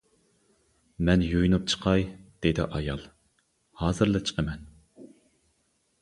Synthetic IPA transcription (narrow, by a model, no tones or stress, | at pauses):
mɛnjojnup̚t͡ʃʰə̥qʰɑjd̪̥ed̪ɪ̰ʔɑjɑlˠ | hɑːzɨɾlˠɨt͡ʃʰə̥qʰəmɛn